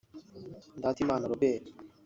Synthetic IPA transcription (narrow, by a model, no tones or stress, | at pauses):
d̪at̪ʰimanaɾobe